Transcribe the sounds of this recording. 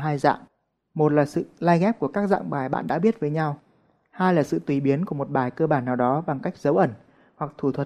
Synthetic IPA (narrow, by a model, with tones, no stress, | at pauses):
ɦaː˧jza̰ː˧˨m | mo˨˩t̚laː˨˩sɨ̰˧˨laː˧jɣɛ˦˥p̚ku˧˩əkaː˦˥k̚za̰ː˧˨ŋɓaː˨˩jɓa̰ː˧˨nɗa̰ː˧˥ɓi˦˥ət̚vəː˨˦jɲa˧w | haː˧jlaː˨˩sɨ̰˧˨t̪wi˨˩ɓi˨˦ənku˧˩əmo˨˩t̚ɓaː˨˩jkəː˧ɓaː˧˩nːaː˨˩wɗɔ˨˦ɓa˨˩ŋka˦˥jk̟̚zə˨˦wʔə˧˩n | hwa˨˩k̚t̪ʰu˧˩t̪ʰwə˨˩t̚